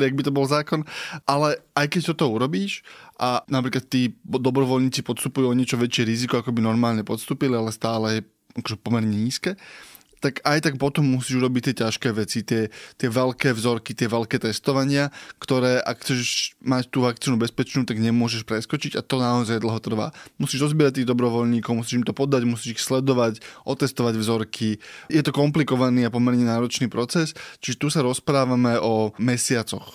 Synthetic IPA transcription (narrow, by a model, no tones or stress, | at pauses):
iaɡ̚bit̪ɔbɔlzaːkɔnʔalɛʔajkɛc̚t̪ɔt̪ɔuɾɔbiːʃʔanapɾiːklat̪ːiːd̪ɔbɾɔʋɔlɲiːt͡sipɔt̪st̪upujuɔɲɪɛt͡ʃɔʋɛt͡ʃɪɛɾizikɔakɔbinɔɾmaːlɲɛpɔt̪st̪uːpilialɛst̪aːlɛjɛ | ʔakɔʒɛpɔmɛɾɲɛɲiːskɛː | t̪akajt̪ak̚pɔt̪ɔmːusiːʒuɾɔbic̚t̪ɪɛcaʃkɛːʋɛt͡sit̪ɪɛt̪ɪɛʋɛlkɛːvzɔɾkit̪ɪɛʋɛlkɛːt̪ɛst̪ɔʋaɲɪakt̪ɔɾɛːʔa̰kxt͡sɛʃʃmact̪uːʋakt͡siːnubɛspɛt͡ʃnuːt̪aɡɲɛmʊɔʒɛʃpɾɛskɔt͡ʃiɟat̪ɔnaɔzajd̪l̩ɦɔt̪r̩ʋa̰ːmusiːʒɾɔzbɪɛɾact̪iːɣd̪ɔbɾɔʋɔʎɲiːkɔʊmus̬iːʒimt̪ɔpɔd̪aɟmusiːʒixslɛd̪ɔʋacʔɔt̪ɛst̪ɔʋaɟvzɔɾkʰijɛt̪ɔkɔmplikɔʋaniːapɔmɛɾɲɛnaːɾɔt͡ʃniːpɾɔt͡sɛst͡ʃiʒɛt̪usaɾɔspɾaːʋamɛɔmɛsɪat͡sɔ̰x